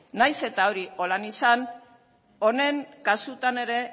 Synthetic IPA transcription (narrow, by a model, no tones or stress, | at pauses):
najse̞t̪ao̞ɾio̞lanisan | o̞ne̞ŋkasut̪ane̞ɾe̞